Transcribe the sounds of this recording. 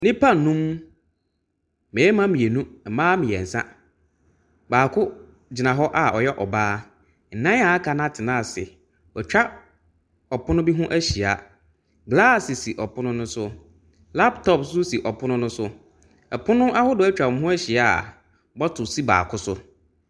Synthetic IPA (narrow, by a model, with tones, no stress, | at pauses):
nɪ̃˦pʰa˦˨nũ˦m | mɛ̃˨ɛ˦mã˦mĩ˨e˨nũ˦ɛ˨mãː˦mɪ̃˨ɛ̰˨n̩˨sã̰˦ | baː˨kʰʊ˦ | d͡ʑɪ˨nã˨ɦɔ˦ʔa˨ʔɔ˨jɛ˦ʔɔ˨baː˦ | n̩˨nã˦a˨a˦kʰa˨nã˦˨tʰɪ˨nãː˦˨sɪ̰˨ | ɔ˨t͡ɕᶣa˦ | ɔ˨pʊ˦nʊ̃˦bi˦ɦʊ̃˦ʔæ˦ɕi˨a̰˨ | ɡla˦˨si˨si˨ʔɔ˨pʰʊ˦nʊ̃˦nʊ̃˦sʊ˦ | la˦ptʰɔ˦psʊ˦si˨ʔɔ˨pʰʊ˦nʊ̃˦nʊ̃˦sʊ˦ | ɛ̰˨pʰʊ˦nʊ̃˦a˦hʊ˦dʊ˨˦æ˦t͡ɕᶣã˨˦ɦʊ̃˦æ˦ɕi˨a˦˨ | bɔ˦tʰʊ˨si˦ba̰ː˨kʰʊ˦sʊ̰˦